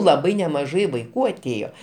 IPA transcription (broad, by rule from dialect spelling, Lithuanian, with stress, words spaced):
lˠɐˈbɐɪ nʲɛmɐˈʒɐɪ ʋɐɪˈkuː ɐˈtʲeːjoː